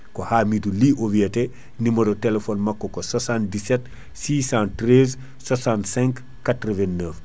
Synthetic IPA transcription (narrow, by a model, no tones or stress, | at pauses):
kohaːmiduliʔoviate | nimɐɾotelefonmakːokosasãn̚disɛt | siːsãntɾez | sasãntsɛ̃ŋk | katɾəvɛnːəf